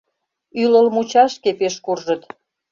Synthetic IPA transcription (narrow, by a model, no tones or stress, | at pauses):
yləlmut͡ɕɑʃkepeʃkurʒət̪